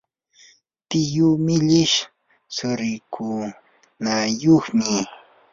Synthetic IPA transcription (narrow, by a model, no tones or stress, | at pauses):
t̪ɪjʊmɪʎɪʃ | sʊɾɪkʰu | najoχmɪ